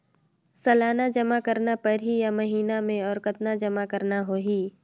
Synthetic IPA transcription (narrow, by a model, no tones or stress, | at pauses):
sɐlaːnad͡ʒɐmakəɾnapɐɾɦijamɐɦiːnamẽɔːɾkət̪nad͡ʒɐmakɐɾnaɦoːɦiː